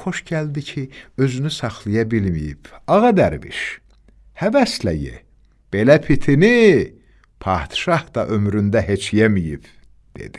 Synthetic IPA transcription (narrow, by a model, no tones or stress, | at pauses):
χo̞ʃɟæld̪icʰiø̞zynysɑχlˠɑjɑbilmijḭb̥ɑɣɑd̪æɾvḭʃ | hævæslæ̰jḛ | b̥e̞læpʰit̪ʰini | pʰɑ̰ːt̪ʃɑhd̪ɑʔø̞mɾynd̪æɦe̞t͡ʃʰjemijḭb | d̪̥e̞̰d̪̥i